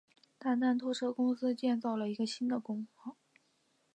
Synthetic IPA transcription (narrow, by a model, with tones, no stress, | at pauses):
t̪a˥˧nt̪a˥˩nt̪ʰwɔ˥ʈ͡ʂʰɤ˥kʊ˥ŋsɹ̩˥t͡ɕjɛ˥˧nt͡sɑ˥˩ʊlə˩i˧˥ɡə˧ɕi˥nd̪ə˨kʊ˥ŋpɑ˥˩